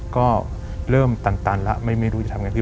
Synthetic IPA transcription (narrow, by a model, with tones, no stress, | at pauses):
kɔː˥˩ | ɾɤː˥˩mt̪a˧nt̪aː˧nla̰˦˥ʔma˥˩jma˥˩jɾu˦˥t͡ɕa˨˩t̪ʰa˧ŋa˧t̪ʰi˥˩